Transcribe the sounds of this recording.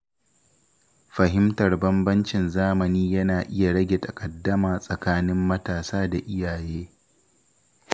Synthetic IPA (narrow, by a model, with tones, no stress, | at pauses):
ɸɐ˨ɦɪ˦mtɐ˨rbɐ˦mbɐ˦nt͡ʃɪ˨nzaː˦mɐ˨niː˦jɐ˦naː˨ʔɪ˦ja˨ɽɐ˦ɡʲe˨tʰɐ˨kʼɐ˨dːɐ˦maː˨sʼɐ˨kaː˦nɪ˦mːɐ˦taː˨saː˦da˨ʔɪ˦jaː˨jeː˦